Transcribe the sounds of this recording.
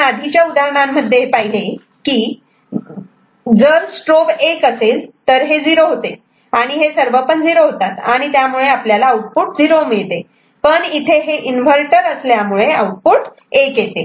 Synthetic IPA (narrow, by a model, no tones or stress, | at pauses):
ad̪ʱit͡ɕjaud̪aɾɳ̃amːəd̪ʱːjepaɦile | kiː | d͡zəɾsʈɾoʋekəselt̪əɾɦed͡ziɾoɦot̪e | aɽ̃iɦesəɾʋəpəɳd͡ziɾoɦot̪at̪aɽ̃it̪jamuɭeapljalaːuʈ̚puʈ̚d͡ziɾomiɭt̪e | pəɳit̪ʰeɦeʔinʋ̤əɾʈəɾəsljamuɭeəawʈ̚puʈ | ekjet̪e